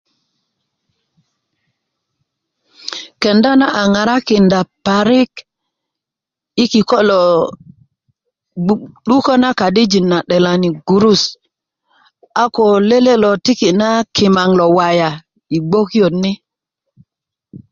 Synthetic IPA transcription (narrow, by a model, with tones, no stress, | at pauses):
ke˨nda˦na˦ʔa˨ŋa˨ɾa˦ki˨nda˨pa˨ɾi˦k | i˦ki˨ko˦lo˨ | ɗu˦ko˦na˦ka˨di˦d͡ʒi˨nːa˨ɗe˨la˨ni˨ɡu˨ɾu˦s | a˦ko˨le˦le˦lo˨ti˦ki˨na˦ki˨ma˨ŋlo˨wa˨ja˨ | i˨ɡ͡bo˦ki˦jo˨tni˦